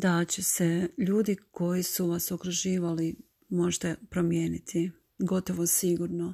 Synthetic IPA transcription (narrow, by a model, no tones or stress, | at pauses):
d̪at͡ɕeseʎuːd̪iko̞jisuʋasokɾuʒiːʋali | mo̞ʒet̪apɾomje̞ːnit̪ʰi | ɡo̞t̪o̞ʋosiɡuɾno